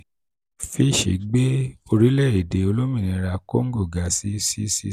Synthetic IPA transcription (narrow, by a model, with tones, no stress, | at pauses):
fi˦˨ʃḛ˨ɡ͡be˦o˧ɾi˨˦lɛ˦˨e˨de˨o˧lo˦mĩ˦˨nĩ˨˧˦ɾa˧ko̰˦ŋ̩˦ɡo˦˨ɡa˨si˦si˦sḭ˧˦